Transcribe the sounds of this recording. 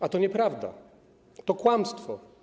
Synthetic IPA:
at̪ɔɲɛpɾavd̪a̰ | t̪ɔkwamst̪fɔ

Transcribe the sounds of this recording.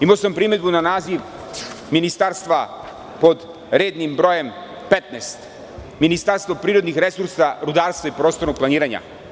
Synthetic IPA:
imaosampɾiːme̞d̪bunanaːziʋ | minist̪aɾst̪ʋa | po̞d̪ | ɾe̞ːd̪nimbɾo̞ːje̞m | pet̪nest̪ | minist̪aɾst̪ʋo̞pɾiːɾod̪nixɾesuɾsaɾud̪aːɾst̪vaipɾo̞st̪onoɡ̚plˠaniːɾaɲa̰

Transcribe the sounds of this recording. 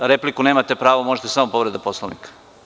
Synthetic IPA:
ɾeplikuneːmat̪epɾaːʋomoʒet̪esamopo̞ʋɾed̪apo̞slˠoʋnikḁ

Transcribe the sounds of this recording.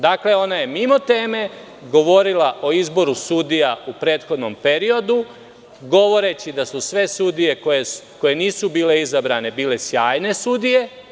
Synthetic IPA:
d̪akle̞o̞naje̞mimo̞t̪e̞ːme̞ | ɡo̞ʋo̞ɾilaʔo̞izbo̞ɾusud̪ijaupɾe̞ːt̪xod̪no̞mpe̞ɾio̞d̪u | ɡo̞ʋo̞ɾet͡ɕid̪asusʋe̞sud̪ije̞kojeko̞je̞niːsubiːle̞izabɾaːne̞biːle̞sjaːjne̞sud̪ije̞

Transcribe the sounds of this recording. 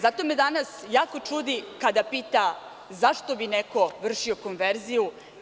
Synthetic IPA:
zat̪o̞med̪anasjaːko̞t͡ʂud̪ikad̪apiːt̪a | zaʃt̪o̞bineko̞ʋr̩ʂio̞ko̞nʋeɾziju

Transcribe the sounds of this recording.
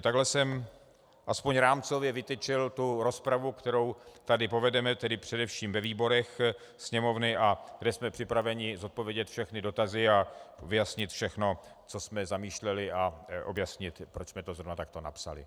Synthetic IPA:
t̪aɡlɛsɛm | ʔaspoɲɾaːmt͡so̞vjɛvɪt̪ɛt͡ʃɪlt̪uɾo̞spɾavukt̪ɛɾo̞wt̪adɪpo̞vɛdɛmɛt̪ɛdɪpr̝̥ɛdɛfʃiːmvɛviːbo̞ɾɛx | sɲɛmo̞vnɪʔaɡdɛsmɛpr̝̥ɪpɾavɛɲɪzot̪̚povjɛɟɛt̪fʃɛxnɪdo̞t̪azɪavɪjasɲɪt̪fʃɛxno̞ | t͡so̞smɛzamiːʃlɛlɪaʔo̞̰bjasɲɪt̪pɾot͡ʃsmɛt̪ozɾovnat̪ak̚t̪o̞na̰psa̰lɪ̰

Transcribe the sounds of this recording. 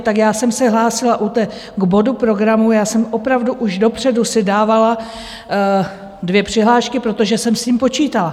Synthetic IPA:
t̪akjaːsɛmsɛɦlaːsɪlaʔut̪ɛ | ɡbo̞dupɾo̞ɡɾamujaːsɛmʔo̞pɾavduʔuʒdo̞pr̝̥ɛdusɪdaːvala | dvjɛpr̝̥ɪɦlaːʃkɪpɾo̞t̪o̞ʒɛsɛmsciːmpo̞t͡ʃiːt̪ala

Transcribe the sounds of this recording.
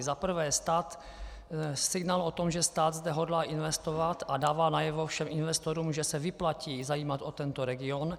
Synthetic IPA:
zapr̩vɛːst̪aːt̪ | sɪɡnaːlo̞t̪o̞mʒɛst̪aːd̪zdɛɦo̞dlaːʔɪnvɛst̪ovat̪ʔadaːvaːnajɛvo̞fʃɛmʔɪnvɛst̪oɾuːmʒɛsɛvɪplaciːzajiːmat̪ʔot̪ɛnt̪oɾɛɡɪon

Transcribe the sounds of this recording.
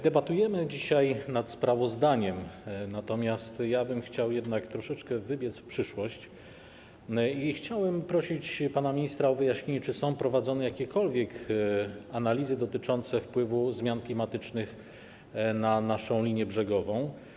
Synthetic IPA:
d̪ɛbat̪ujɛmɘd͡ʑiɕajnat̪spɾavɔzd̪aɲɛmnat̪ɔmʲjast̪jabɘmxt͡ɕawjɛd̪nakt̪ɾɔʂɛt͡ʂkɛvɘbʲjɛt̪sfpʂɘʂwɔɕt͡ɕ | ixt͡ɕawɛmpɾɔɕit͡ɕpanamʲiɲist̪ɾaɔvɘjaɕɲeɲɛt͡ʂɘsɔ̃w̃pɾɔvad̪zɔnɛjakʲɛkɔlvʲjɛk | analʲizɘd̪ɔt̪ɘt͡ʂɔnt̪sɛfpwɘvuzmʲjanklʲimat̪ɘt͡ʂnɘx | nanaʂɔ̃w̃lʲiɲjɛbʐɛɡɔvɔ̃w̃

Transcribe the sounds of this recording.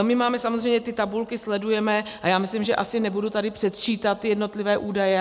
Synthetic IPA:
mɪmaːmɛsamozr̝ɛjɲɛt̪ɪt̪abulkɪslɛdujɛmɛʔajaːmɪslɪmʒɛʔasɪnɛbudut̪adɪpr̝̥ɛt̪t͡ʃiːt̪at̪ːɪjɛdno̞t̪lɪvɛːʔuːdajɛ

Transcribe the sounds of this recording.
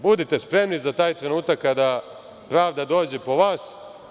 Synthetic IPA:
bud̪et̪e̞spɾe̞mnizat̪aːjt̪ɾe̞nuːt̪akːad̪a | pɾaːʋd̪ad̪o̞ːd͡ʑepo̞ʋaːs

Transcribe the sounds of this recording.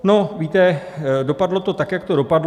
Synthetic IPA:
no̞viːt̪ɛ | do̞padlo̞t̪o̞t̪akjak̚t̪o̞ɾo̞padl

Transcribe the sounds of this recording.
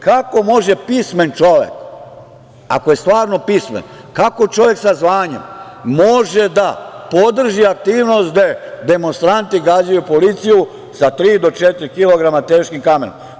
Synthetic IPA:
kako̞mo̞ʒe̞pisme̞nt͡ʃoʋḛk | a̰ko̞jest̪ʋaːɾno̞pismḛn | kako̞t͡ʃo̞ʋje̞ksazʋaːɲḛm | mo̞ʒed̪apod̪r̩ʒiak̚t̪iːʋnost̪d̪ed̪e̞monst̪ɾant̪iɡad͡ʑajupolit̪siju | sat̪ɾiːd̪o̞t͡ʃet̪ɾikilo̞ɡɾamat̪eːʃkimkamḛno̰m

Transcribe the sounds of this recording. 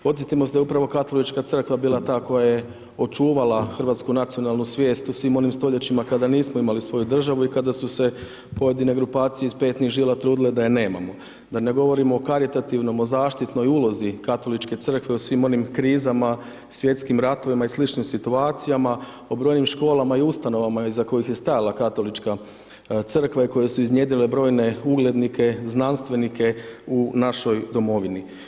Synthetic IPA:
po̞t̪sʲjet̪imosd̪aeupɾaʋo̞kat̪o̞lit͡ʃkat̪sr̩kʋabiːlˠat̪aːko̞jaje̞ | o̞t͡ʃuːʋalaxr̩ʋat̪skunat̪sijo̞naːlˠnusʋje̞ːst̪osʋiːmo̞nimst̪o̞ʎet͡ɕimakad̪aniːsmoimalisʋo̞jud̪r̩ʒaʋuikad̪asuse̞ | po̞je̞d̪ine̞ɡɾupaːt̪sijeispe̞ːt̪niɣʒiːlˠat̪ɾuːd̪iled̪ajene̞ːma̰mo̞ | d̪ane̞ɡo̞ʋo̞ɾimoːkaɾit̪at̪iʋno̞mo̞zaːʃt̪it̪no̞juːlo̞zikat̪o̞lit͡ʃke̞t̪sər̩kʋeusʋimo̞nimkɾiːzama | sʋje̞t̪skimɾat̪o̞ʋimaislit͡ʃnimsit̪uaːt̪sijama | o̞bɾo̞ːjnimʃko̞ːlˠamaiust̪ano̞ʋamaizako̞jixje̞st̪ajalakat̪o̞lit͡ʃka | t̪sɨr̩kʋaiko̞je̞suiznje̞d̪ilebɾo̞ːjne̞uɡlˠed̪nikʰe̞znanst̪ʋe̞nikʰe̞unaʃo̞jd̪o̞mo̞ʋini

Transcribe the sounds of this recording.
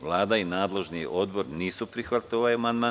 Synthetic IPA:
ʋlˠaːd̪ainaːd̪le̞ʒniʔo̞d̪bo̞ɾniːsupɾixʋat̪ioʋajamand̪maː

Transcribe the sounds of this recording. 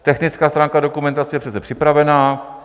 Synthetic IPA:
t̪ɛxnɪt͡skaːst̪ɾaːŋkado̞kumɛnt̪at͡sɛjɛpr̥ɛt͡sɛpr̝̥ɪpɾavɛnaː

